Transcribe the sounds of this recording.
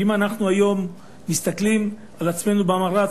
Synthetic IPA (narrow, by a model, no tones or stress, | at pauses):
imanaχnuajo̞mː | ist̪aklim | alat͡sme̞nubeamaʁa